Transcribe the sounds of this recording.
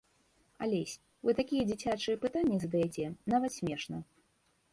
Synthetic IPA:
a̰lʲesʲ | vɨt̪akʲijɛd͡zʲit͡sʲat͡ʂɨjɛpɨt̪anʲːizɐd̪ɐjɛt͡sʲɛnavɐt̪sʲmʲɛʂnɐ

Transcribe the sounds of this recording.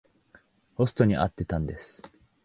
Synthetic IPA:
ho̞sɨ̥t̪o̞ɲ̟iʔa̰t̪ːe̞t̪ãnd̪e̞sɨ̥

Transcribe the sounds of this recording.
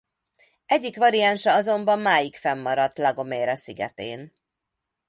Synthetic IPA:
ɛɟːikʋɒɾianʃɒɒzo̞mbɒmːaːjikfɛmːɒɾɒt̪ːlɒɡo̞meːɾɒsiɡɛ̰t̪ḛːn

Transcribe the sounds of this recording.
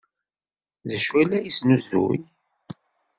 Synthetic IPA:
ðəʃwælæjisnuzṵj

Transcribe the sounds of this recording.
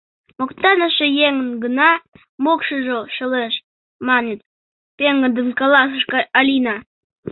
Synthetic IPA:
mokt̪ɑnəʃejeŋə̆nɡənɑ | mokʃəʒoʃə̆leʃ | mɑnet̪̚ | peŋɡə̆d̪ənkɑlɑsəʃkɑɑlʲinɑ

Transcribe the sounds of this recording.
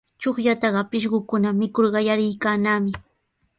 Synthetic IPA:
t͡ʃoχjat̪ɑɢɑpɪʃ̬ɢʊkʊnamɪkoɾɢɑjaɾɪjkaːnaːmɪ

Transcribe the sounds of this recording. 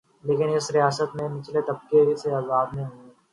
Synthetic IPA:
leːkɪnɪsɾijaːsət̪mẽmɪt͡ʃʰlet̪ɐb̚keiseɐzaːbneɦĩɦõe

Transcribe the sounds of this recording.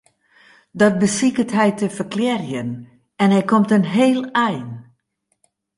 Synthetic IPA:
dɔt̚bəsikətɦɛjtəfərklɛrjən | ɛnɦɛjkomtənɦeːlˠɛjn

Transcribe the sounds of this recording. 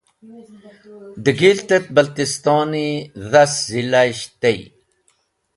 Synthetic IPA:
d̪əɡilt̪et̪̚bɐlt̪ist̪ɑːniðaszilaɕt̪ej

